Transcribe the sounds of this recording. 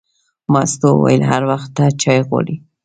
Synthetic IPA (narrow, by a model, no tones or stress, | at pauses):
mɑst̪owa̰jlɦaɾwaxt̪ːat͡ʃɑjɣwɑ̰ɽi